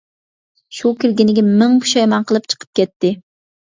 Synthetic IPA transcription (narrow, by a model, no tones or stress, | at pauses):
ʃukʲiɾɡʲinɪɡʲɛmɪŋpʰu̥ʃɑjmɑnqʰəlˠɨpt͡ʃʰə̥qʰə̥p̚kʲʰɛt̪ʰːɪ